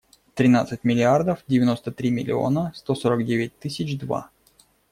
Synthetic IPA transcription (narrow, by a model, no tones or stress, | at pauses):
t̪ɾʲɪnat̪sɨtʲmʲɪlʲɪard̪əfdʲɪvʲɪno̞st̪ət̪ɾʲimʲɪlʲɪ̰o̞̰nəst̪o̞soɾəɡdʲevʲɪt̚ʲt̪ɨsʲɪt͡ɕd̪va̰